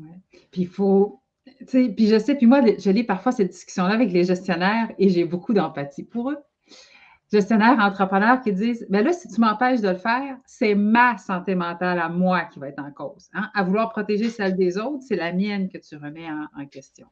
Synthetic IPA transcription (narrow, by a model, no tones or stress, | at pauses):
wɛ | pifo | t͡sepiʒəsepimwalʒəlipaʁfwasɛt̪̚d̪iskʲy̥sjɔ̃lavɛk̬leʒɛst̪jɔnɛːʁeʒebokud̪ɑ̃pat̪ipuʁø | ʒ̥ɛst̪jɔnɛːʁɑ̃t̪χəpχənœːʁkʲid͡ziːzbɛlʌsi̥t̪ymɑ̃pɛːʃd̪ələfɛːʁsɛmasɑ̃t̪emɑ̃t̪alamwakʲivaɛt̪χɑ̃koːz̥ãʔavulwaːʁpχɔt̪eʒesɛld̪ezɔʊt̪χsɛlamjɛnkʲət̪yʁəmɛɑ̃ɑ̰̃kʲɛst̪jɔ̰̃